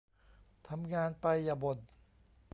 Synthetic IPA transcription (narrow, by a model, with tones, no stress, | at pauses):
t̪ʰa˧mŋaː˧npa˧jːaː˨˩bo˨˩t̪̚